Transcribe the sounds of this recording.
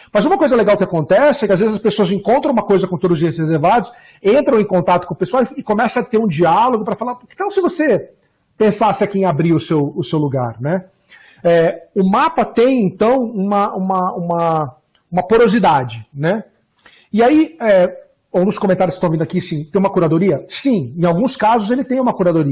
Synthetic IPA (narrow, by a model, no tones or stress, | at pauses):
mɐzũmɐkojzɐleɡawkɪakõnt̪ɛsɪɛkɪazvezɪzɐspesoɐzẽŋkõnt̪ɾɐ̃ũmɐkojzɐkõt̪od̪ʊzʊzd͡ʒiɐshezeɾvad̪ʊs | ẽnt̪ɾɐ̃w̃ẽj̃kõnt̪at̪ʊkõɐpesoaɐwɪkomɛsɐ̃ɐt̪eɾũd͡ʒialoɡʊpɾɐfalaɾpʊkɪ̥k̪ãwsɪvose | pẽsasɪakiẽabɾiɾʊsewʊsewluɡa̰ɾnɛ | ɛʊmapɐt̪ẽj̃ẽnt̪ɐ̃w̃ũmɐũmɐũmɐ | ũmɐpoɾozid̪ad͡ʒɪnɛ | ɪaiɛ | owũd̪ʊskomẽnt̪aɾjskst̪ɐ̃w̃vĩnd̪akisĩt̪ẽj̃umɐkuɾad̪oɾiɐsĩẽawɡũskazʊzelɪt̪ẽj̃ũmɐkuɾad̪oɾiɐ